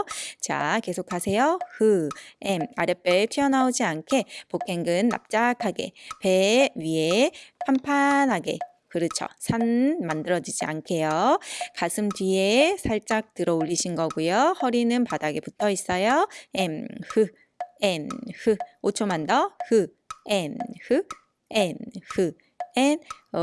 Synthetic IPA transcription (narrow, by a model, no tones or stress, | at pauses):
t͡ɕa̰ke̞sʰokʰasʰe̞johɯemaɾjep͈etʰɥiʌnaod͡ʑiankʰe̞pok͈ʰe̞ŋɡɯnːa̰p̚t͡ɕ͈akʰaɡe̞̰pe̞ɥie̞pʰampʰanɦaɡe̞̰ | kɯɾɯt͡ɕʰo̰sʰanmandɯɾʌd͡ʑid͡ʑia̰nkʰe̞jokasʰɯmtɥie̞sʰaɭt͡ɕ͈ak̚tɯɾʌoʎːiɕʰinɡʌɡujohʌɾinɯnpadaɡe̞putʰʌis͈ʌjoemhɯ | enhɯot͡ɕʰomandʌhɯ | enhɯ | enhɯ | en